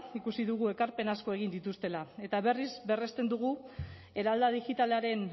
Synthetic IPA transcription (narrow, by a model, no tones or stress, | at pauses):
ikusiðuɣ̞ue̞kaɾpe̞nasko̞e̞ɣ̞ind̪it̪ust̪e̞lae̞t̪aβe̞rizbe̞re̞st̪e̞nd̪uɣ̞u | e̞ɾald̪aðixit̪aleaɾe̞n